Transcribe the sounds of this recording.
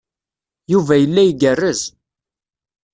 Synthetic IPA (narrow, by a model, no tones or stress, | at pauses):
juvæjəlːæjɡərːəz